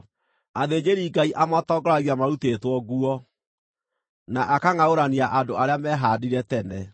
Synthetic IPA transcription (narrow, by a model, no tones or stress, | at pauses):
aðed͡ʑeɾiːɡaiʔamatɔɡɔɾaɣiamaɾutetwɔɡuɔ | naʔakaŋaoɾaniaʔadoaɾeamɛɦaːdiɾɛtɛnɛ